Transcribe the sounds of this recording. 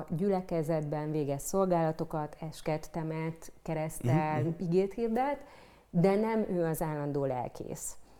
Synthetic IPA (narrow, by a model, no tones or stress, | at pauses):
ɟylɛkɛzɛd̪bɛɱveːɡɛsso̞lɡaːlɒt̪o̞kɒt̪ʰɛʃkɛt̪ːɛmɛt̪kɛɾɛstt̪ɛliɡeːt̪hiːrd̪ɛlt̪ | d̪ɛnɛmøːɒzaːlːɒnd̪oːlɛ̰lkʰḛːs